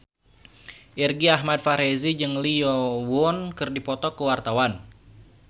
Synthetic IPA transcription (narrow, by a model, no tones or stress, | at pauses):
ʔirɡiaɦmad̚faɾezid͡ʒɨŋliɔwʊnkɨrdipɔt̪ɔkəwart̪awan